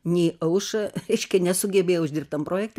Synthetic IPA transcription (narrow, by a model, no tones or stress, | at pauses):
nʲɛːʔɐʊʃɐɾʲɛɪʃʲkʲɛnʲɛsʊɡʲɛbʲeːjɛʊʊʒʲdʲɪrp̚t̪ɐmproːjɛk̚t̪ʲ